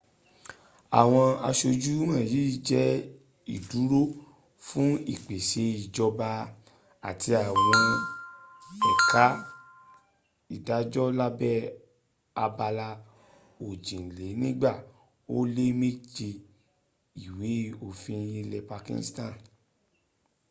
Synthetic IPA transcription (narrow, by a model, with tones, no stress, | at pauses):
a̰˨w̃ɔ̃˧a˧ʃo˧d͡ʒu˦ã˦˨ji˨˦d͡ʒɛ˦ | i˨du˨˦ɾo˦ | fũ˦ḭ˦˨k͡pe˨ʃe˨˦i˨d͡ʒɔ˧ba˧ | a̰˨tʰi˧a˨wɔ̃˧ | ɛ˨ka˨˦ | i˨da˨˦d͡ʒɔ˦la˦bɛ˦ | a˧ba˧la˧ | o˨d͡ʒĩ˨le˨˦nĩ˦ɡ͡ba˦˨ | o˦le˦me˦d͡ʒe˧ | i˨we˨˦o˦˨fĩ˧jĩ˧lɛ˧pa˧kḭ̃˧n˦stã˦˨